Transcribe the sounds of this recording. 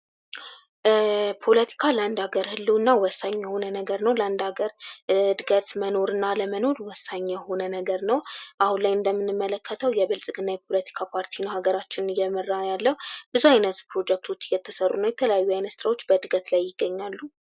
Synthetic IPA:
pʰo̞lət̪ʰi̥kʰalənd̪aɡəɾhɨlːuɨnːawɔsːaɲːɛho̞nənəɡəɾnəwləaɨnd̪aɡəɾɨd̪ɨɡət̪məno̞ɾɨnːaləməno̞ɾwɔsːaɲːɛho̞nənəɡəɾnəwʔahunlajɨnd̪əmːɨnːɨmːələkːət̪ʰəwjɛβɨlsʼɨɡɨnːajɛpʰo̞lət̪ʰi̥kʰapʰaɾt̪ʰinəwhaɡəɾat͡ʃːɪnjɛmərːajalːəhub̥ɨzuajnət̪pɾo̞d͡ʒɛk̚t̪ʰo̞t͡ʃːɨjɛt̪ʰːəsərːunəwjɛt̪ʰələjajːuajnəst̪ɾawo̞t͡ʃːbəd̪ɨɡət̪lajːɪɡːəɲːalːu

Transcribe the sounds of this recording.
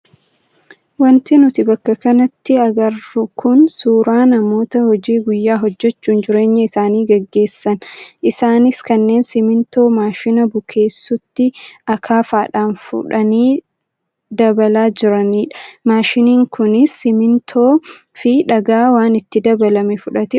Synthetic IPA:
wɐnt̪ɪnʊt̪ɪbɐkːɐkɐnɐt̪ːɪɐɡɐrːʊkʰʊnsuːɾaːnɐmo̞ːt̪ɐhɔd͡ʒiːɡʊjːaːɦɔd͡ʒːɛt͡ʃːuːnd͡ʒɪɾe̞ːɲːɐɪsaːniːɡɐɡːe̞ːsːɐnʔɪsaːnɪskɐnːe̞ːnsɪmɪnt̪o̞ːmaːʃɪnɐbʊkʰe̞ːsːʊt̪ːɪʔɐkʰaːfaːᶑaːnfʊ̰ᶑɐniː | d̪ɐbɐlaːd͡ʒɪɾɐniːᶑɐ̥maːʃɪniːŋkʊnɪsːɪmɪnt̪ʰoː | fɪᶑɐɡaːwaːnɪt̪ːɪd̪ɐbɐlɐmɛfʊᶑɐt̪ɪ

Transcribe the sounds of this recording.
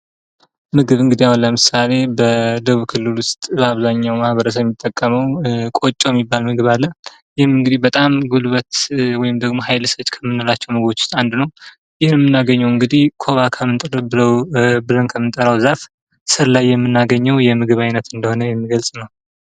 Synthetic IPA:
mɨɡɨβɨŋɡɨd̪ijawunləmɨsale̞bəd̪əβukʰɨlːɨlwʊst̪ʼbəaβzaɲːawmahβəɾəs̬əβjɛmːit̪ʼːəkʼːəməwkʼot͡ʃʼːojɛmːibːalmɨɡɨβalːə | jɪhmɨŋɡɨd̪ihbət̪ʼamɡulβət̪wɔjɪmd̪əɡmo̞ɦajlsət͡ʃʼːkʰəmːɨnːɨlat͡ʃːɛwmɨɡbot͡ʃːʊ̥st̪ʼand̪nəw | jɪhnjɛmːɨnːaɡəɲːɛwɨŋɡɨd̪ihkʰo̞βakʰəmːɨnt̪ʼəɾəbɨləwbɨlənkʰəmːɨnt̪ʼəɾəwzaf | sɨɾlajːɛmːɨnːaɡəɲːɛwjɛmɨɡɨβajnət̪ɨnd̪əho̞nəjɛmːiɡəlsʼnəw

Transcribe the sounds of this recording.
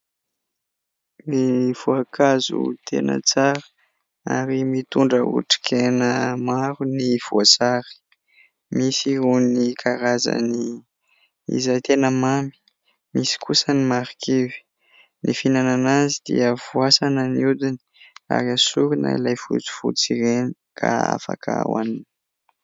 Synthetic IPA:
miv̥uakʰazṵt̪ʰḛnə̰t͡saɾə̥ | a̰ɾimit̪uɳɖ͡ʐəṵʈ͡ʂi̥kʰenəmaɾuniv̥uasaɾi̥ | misiɦunikʰaɾazə̰ni | ḭzajt̪enəmami̥ | misi̥kʰusənimaɾkʰevi̥ | nifinananazid̪̥ḭəv̥uasanəniud̪inia̰ɾiasuɾina̰ilajfut͡si̥fṵt͡siɾeni | kʰa̰a̰fa̰kʰaa̰wa̰nini̥

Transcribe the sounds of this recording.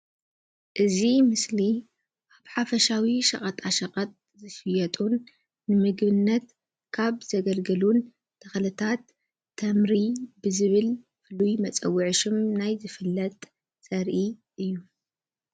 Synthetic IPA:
ʔɨzimɨsli | ʔaβħafɐʃawiʃɐ̰kʼɐt̪ʼaʃɐkʼɐt̪̚ | zɨʃɨjɐt̪ʼunː | ɨmɨɡbɨnːɐt̪ | kʰaβzɐɡɐlɡɐlun | t̪ʰɐxlɨt̪ʰat̪ʰː | ɐmɾibɨzɨβɨl | fɨlujmɐt͡sʼɐwːɨʕɨʃɨmnajzɨfɨlːɐt̪ʼ | sɐɾʔiʔɨjːu

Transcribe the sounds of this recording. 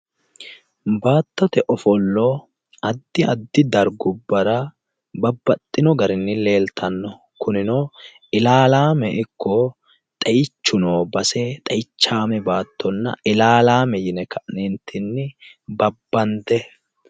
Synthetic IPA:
baːt̪ːɔt̪ɛʔɔfɔlːɔ | ɐd̪ːɪɐd̪ːɪd̪ɐɾɡʊbːɐɾɐ | bɐbːɐt̪ʼːɪnɔɡɐɾɪnːɪle̞ːlt̪ʰɐnːɔ | kʊnɪnoː | ɪlaːlaːmɛʔɪkʰːɔ | t̪ʼɐjt͡ʃːʊnoːbɐsɛt̪ʼɐjt͡ʃːaːmɛbaːt̪ʰːɔnːɐ̰ʔɪlaːlaːmɛjɪnɛkʰɐʔnɛnt̪ʰɪnːɪbɐbːɐnd̪ɛ

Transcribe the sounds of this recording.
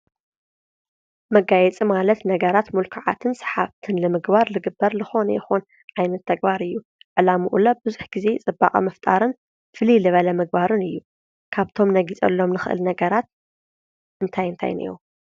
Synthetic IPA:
mɐɡajɛt͡sʼimalɐt̪nɐɡɐɾat̪mulkʰaʕa̰t̪ʰɨnsɐ̥ħaβt̪ʰɨnlɨmɨɡbaɾlɨɡɨbːɐɾlɨxo̞njɛxon | ʕajnɐt̪ʰːɐɡ̚baɾɨjːu | ʕɨlamuʔṵlɐbɨzuħɡize̞t͡sʼɨbːa̰χʼɐ̰mɐft̪ʼaɾɨn | fɨlilɨβɐlɐmɨɡ̚baɾɨnɨjːu | kʰaβt̪ʰo̞mnɐɡit͡sʼɐ̰lːo̞mnɨxɨʔɨ̰lnɐɡɐɾat̪̚ | ʔɨnt̪ʰajɨnt̪ʰa̰jnḭjo̰

